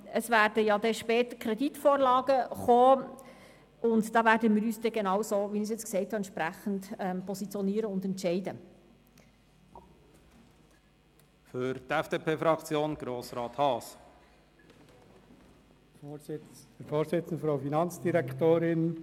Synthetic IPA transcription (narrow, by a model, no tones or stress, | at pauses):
əsvæːɾd̥əjɑd̪ɛʃpɛːtəkʰɾɛditfoːɾlɑːɡ̥əχoː | ʊndd̥ɑːʋæːɾdəmɪːɾyːsd̥ɛɡenɑwsoːʋinis̬jɛt͡sksɛɪthɑɛntt͡ʃʃpɾæχəntɛmpɔsit͡sjɔniːəɾəʊndɛntʃɛɪdə | fyɾt̪ɛfd̥eːpʰeːfɾɑkt͡sjoːnɡ̥ɾoːsɾɑːt̪hɑːs | əfoːɾsɪt͡sn̩d̪əfɾoʊfinɑnt͡sd̥iɾɛkt̪oːɾɪn